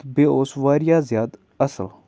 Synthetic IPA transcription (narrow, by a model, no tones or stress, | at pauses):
beːoːsʋaːɾɪjaːzɪjaːd̪ | əsəl